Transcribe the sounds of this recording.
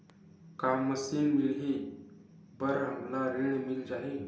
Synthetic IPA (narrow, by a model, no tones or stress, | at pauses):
kamːəsinmiɭɦi | bəɾəmlaɾeɳ̃mild͡ʑaɦe